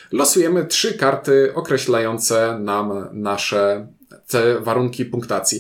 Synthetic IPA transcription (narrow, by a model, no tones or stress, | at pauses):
lɔsujɛmɘtʂɘkaɾt̪ɘɔkɾɛɕlajɔnt̪sɛnamnaʂɛ | t̪ɛvaɾuŋkʲipuŋkt̪at̪sʲji